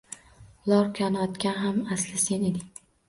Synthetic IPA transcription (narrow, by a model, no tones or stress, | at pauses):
lˠɒɾkʲʰanɒt̪kʲanɦamaslɪse̞ned̪ɪŋ